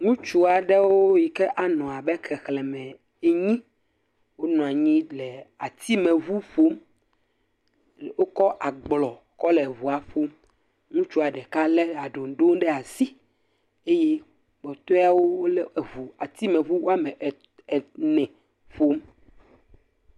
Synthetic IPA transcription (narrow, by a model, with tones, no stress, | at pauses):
ŋũ˦t͡ʃu˦a˨ɖɛ˦wo˦ji˨kɛ˦ʔa˨nɔ̃˨a˨bɛ˦kɛ˨xlɛ˨mɛ̃˨ | e˦ɲĩ˦ | wo˦nɔ̃˨a˨ɲĩ˦lɛ˨a˨t̪ʰi˦mẽ˨vu˦ɸo˦m | wo˦kɔ˦ʔa˨ɡ͡blɔ˨ | kɔ˦lɛ˨vu˨a˨ɸo˦m | ŋũ˦t͡ʃu˦a˨ɖɛ˨ka˦lɛ˦a˨ɖo˨ŋ˦ɖo˦ŋɖɛ˦a˨si˦ | e˦je˦ | ɡ͡bɔ˨t̪ɔ˦a˨wo˦wo˦le˦˨vu˨a˨t̪i˦mɛ̃˨vu˦wo˦a˦mɛ̃˨ | nɛ̃˨ | fo˦m